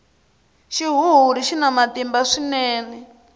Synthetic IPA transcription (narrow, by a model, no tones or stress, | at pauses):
ʃiɦuɦuɾiʃinamatimbaʂinɛːnɛ